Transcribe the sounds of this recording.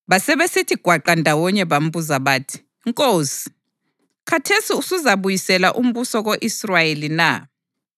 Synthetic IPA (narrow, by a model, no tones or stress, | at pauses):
βasɛβesitʰiɡ̥ʱwaǃandʱawɔɲɛβam̩βuzaβaːtʰi̥ | ŋkʼoːsi̥ | kʰatʰesiusuzaβujisɛlaʔum̩βusɔɣoʔisrajelina̰